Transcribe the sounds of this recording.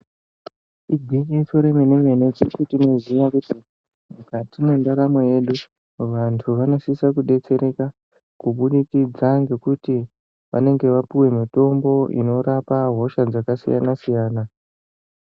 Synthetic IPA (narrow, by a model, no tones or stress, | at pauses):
iɡʱikeitoɾemene̞mene̞t͡sikutino̞ziʋakuti | mukatimendaɾamo̞je̞ɗu | ʋantʰuʋano̞sisakuɗe̞t͡se̞ɾe̞ka | kuɓuɗikid͡zaŋɡe̞kuti | ʋa̰ne̞ŋɡe̞ʋapiwe̞mito̞mbo̞ʔḭno̞ɾapaɦo̞ʃad͡zakasija̰nasijaːna